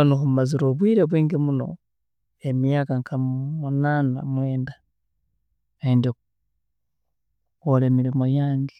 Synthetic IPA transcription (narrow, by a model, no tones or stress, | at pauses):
noxumaziɾoːβwiːɾeβweːŋɡemuno̞̰ | emijakaŋkʰamunaːna̰mwe̞ːnda | endek | kole̞ːmiɾimo̞jaːŋɡe̥